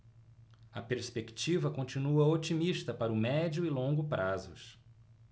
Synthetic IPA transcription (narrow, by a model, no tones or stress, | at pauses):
ɐpeɾspekt͡ʃivɐkõt͡ʃinuɐot͡ʃimiʃt̪ɐpaɾʊmɛd͡ʒʊɪlõŋɡʊpɾazʊ̰s